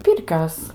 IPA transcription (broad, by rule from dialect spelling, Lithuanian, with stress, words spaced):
ˈpʲɪrʲkʲoːs